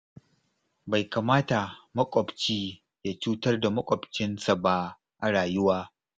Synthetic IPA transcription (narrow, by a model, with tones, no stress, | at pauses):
ba˨jkaː˨maː˦ta˨mɐ˦kʷʼɔ˨bt͡ʃiː˦ | ja˦t͡ʃuː˦tɐ˦rda˨mɐ˦kʷʼɔ˨bt͡ʃɪ˦nsa˨ba˦ | ʔa˨ɽaː˨jʊ˦waː˦